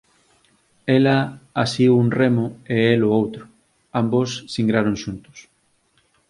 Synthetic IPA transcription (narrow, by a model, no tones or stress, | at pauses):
elaasiðuunremʊeeloowt̪ɾʊ | ambosːiŋɡɾaɾoŋʃunt̪ʊ̥s